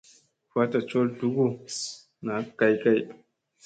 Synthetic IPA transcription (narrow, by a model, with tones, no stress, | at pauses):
fa˦ta˨t͡ʃo˦ldu˦ɡu˦ | na˨ka˦jka˦j